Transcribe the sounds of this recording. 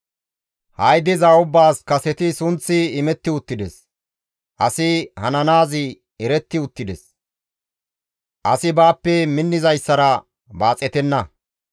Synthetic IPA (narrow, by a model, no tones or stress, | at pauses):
hɐjd̪ɪzaʊbːaːskɐsɛt̪ɪsʊnt͡sːɪːmɛt̪ːɪʊt̪ːɪd̪ɛs | ʔɐsɪhɐnɐnaːzɪ | ɛɾɛt̪ːɪʊt̪ːɪd̪ɛs | ʔɐsɪbaːpːɛmɪnːɪzɐjsːɐɾɐ | baːt͡sʼɛt̪ɛnːɐ